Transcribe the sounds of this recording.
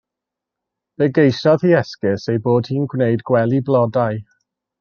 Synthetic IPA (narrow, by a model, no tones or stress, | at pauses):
b̥ɛɡejsɔð̥iɛskɪsejboːd̥̚hiːnɡwnejdɡwɛlˠiblɔdaj